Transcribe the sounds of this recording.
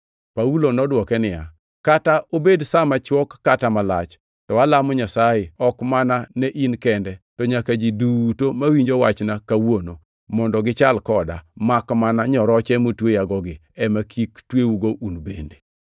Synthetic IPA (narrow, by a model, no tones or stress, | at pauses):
paulonɔdwɔkɛnɪja̰ | kataobedsamat͡ʃwɔkːatamalat͡ʃ | tɔwalamɔɲasajɪɔkmananɛʔinkɛndɛtɔɲakad͡ʒidutomawiɲd͡ʒowat͡ʃnakawono | mɔndɔɡɪt͡ʃalkɔda̰makmanaɲɔɾɔt͡ʃɛmotwejaɡɔɡɪ | ɛmakʰiktwewuɡoʔunbende̥